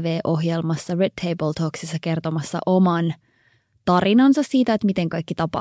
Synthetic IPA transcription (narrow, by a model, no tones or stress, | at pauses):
ʋeːʔoɦjelmɑsːɑredt̪ʰːejbəlt̪ʰoːksisːɑkert̪omɑsːɑ̰ʔomɑn | t̪ɑrinɑnsɑssiːt̪æet̪mit̪eŋkɑjkːit̪ɑpɑ̰